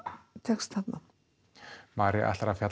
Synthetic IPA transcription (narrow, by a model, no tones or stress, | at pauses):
t̪ʰɛkst̪ʰat̪na̰ | maːɾɪʔa̰hɬaɾafjat̪